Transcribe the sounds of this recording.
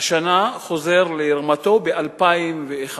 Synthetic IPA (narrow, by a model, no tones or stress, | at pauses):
ʃanaχo̞ze̞ʁleiʁmat̪o̞be̞ʔalpaimveeχa